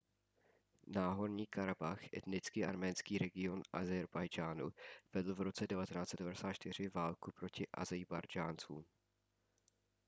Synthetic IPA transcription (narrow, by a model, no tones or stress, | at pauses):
naːɦo̞ɾɲiːkaɾabaxʔɛ̰t̪nɪt͡skiːʔa̰ɾmɛːnskiːɾɛɡɪo̞nʔa̰zɛɾbajd͡ʒaːnuv̥ɛdl̩vɾo̞t͡sɛdɛvat̪ɛnaːtt͡sɛt̪dɛvadɛsaːt̪t͡ʃt̪ɪr̝ɪvaːlkupɾo̞cɪʔa̰zɛjbaɾd͡ʒaːnt͡sṵːm